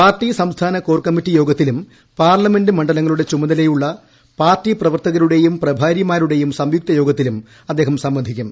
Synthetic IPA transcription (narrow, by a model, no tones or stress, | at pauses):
paːrtːisɐmst̪ʰaːnɐkoːrkɐmːitːijo̞ːɡɐt̪ːilum | paːrlɐme̞ndɨmɐɳɖɐlɐŋːɐɭuɽe̞t͡ɕumɐðɐlejuɭːɐ | paːrtːiprɐʋɐrt̪ɐɣɐɾuɽe̞jumprɐbʱaːɾjɐmaːɾuɽe̞jumsɐmjuk̚t̪ɐjo̞ːɡɐt̪ːilum | ɐd̪ːe̞ːɦɐmsɐmʋɐnd̪ʱikʲːum